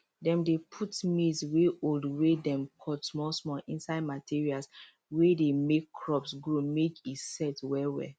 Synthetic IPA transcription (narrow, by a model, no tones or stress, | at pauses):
dɛ̃mdepʰutmisweoldwedɛ̃mkʰɔtsmɔsmɔlĩnsaɪd̚matʰiɹials | wedemekːʰɹɔpsɡɹomekitsɛtwɛwɛ̰